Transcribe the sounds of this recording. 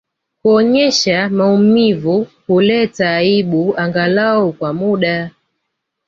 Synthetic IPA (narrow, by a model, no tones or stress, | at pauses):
kuɔɲɛʃamaumivukulɛtaːiɓuaŋɡalaukwamuɗa